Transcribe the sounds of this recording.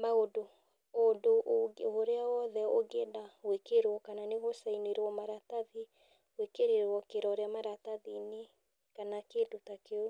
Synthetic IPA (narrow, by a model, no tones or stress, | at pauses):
maodo | odoʔoɾeawɔðɛoɡedawekeɾɔkananeɣosaineɾɔmaɾataði | wekeɾeɾwɔkeɾɔːɾeamaɾataðine | kanakeːdotakeo